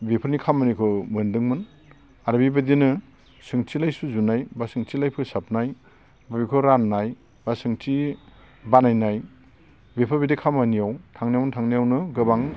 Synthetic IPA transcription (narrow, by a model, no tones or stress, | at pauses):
bepʰɯɾnikʰamanikʰɔmɯndɯŋmɯn | aɾbibadinɯ | sɯŋtʰilajsuzunajbasɯŋtʰilajpʰɯsap̚naj | babikʰɔɾanːaj | basɯŋti | banajnaj | bepʰabidekʰamanijawtʰaŋnijawnɯtʰaŋnijawnɯɡɯbaŋ